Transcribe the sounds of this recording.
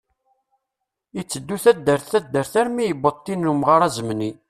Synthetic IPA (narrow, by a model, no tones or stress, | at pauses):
it͡sːəd̪ːuθæd̪ːəɾθθæd̪ːəɾθæɾmijəbət̪ˤːinːumʁaɾˤæzəmni